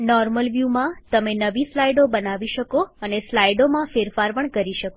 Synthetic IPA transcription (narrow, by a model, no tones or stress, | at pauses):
nɔɾməlʋjumãt̪əmenəʋislajɖobənaʋiʃəkoəneslajɖomãfeɾfaɾpəɳkəɾiʃəko